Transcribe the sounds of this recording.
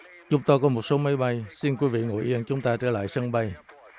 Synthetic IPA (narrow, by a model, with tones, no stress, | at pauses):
t͡ɕʊ˨˦ŋ͡mt̪o˧jkɔ˨˦mo˨˩t̚so˨˦ma˨˦jɓa˧jsi˧nkwi˨˦vḭ˧˨ŋo̰˧˨jʔi˧ənt͡ɕʊ˨˦ŋ͡mt̪aː˧t͡ɕəː˧˩la̰ː˧˨jsə˧ŋɓa˧j